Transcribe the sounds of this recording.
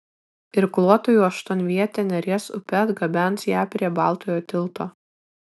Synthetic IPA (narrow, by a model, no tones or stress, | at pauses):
ɪɾklˠuɔt̪ojuːɐʃt̪oɔnʲʋʲiɛt̪ʲenʲɛɾʲeɛsʊ̰pʲɛt̪ɡɐbʲɛˑnsjæːpʲɾʲiɛbɑˑlˠt̪oːjoːt̪ʲɪlˠt̪oː